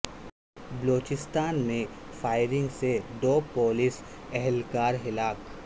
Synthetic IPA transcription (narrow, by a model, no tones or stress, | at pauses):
bloːt͡ʃɪst̪aːnmẽfʰaːɪɾɪ̃ŋɡsed̪oːpoːlɪsɛɦɛlkaːɾɦɪlaːk